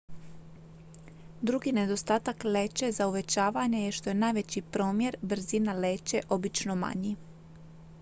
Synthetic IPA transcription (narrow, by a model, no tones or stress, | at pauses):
d̪ɾuɡine̞d̪o̞st̪aːt̪akle̞ːt͡ɕe̞zauʋe̞t͡ɕaːʋaɲejeʃt̪o̞jenajʋet͡ɕipɾo̞ːmje̞ɾbɾ̩zinale̞ːt͡ɕe̞ʔo̞bit͡ʃno̞ma̰ɲi